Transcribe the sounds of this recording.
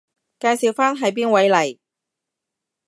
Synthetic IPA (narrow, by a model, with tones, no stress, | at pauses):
kaː˧jsi˨˩wfaː˥nɦɐ˨˥jp̬iː˥nwɐ˨˥jlɐ˨˩j